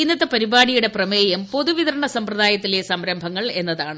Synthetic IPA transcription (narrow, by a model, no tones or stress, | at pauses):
inːɐðɐpɐɾibaːɽijuɽe̞prɐmeːjɐmpo̞ðuʋiðɐɾɐɳɐsɐmprɐðaːjɐt̪ːilesɐmɾɐmbʱɐŋːɐɭe̞nːɐðaːɳɨ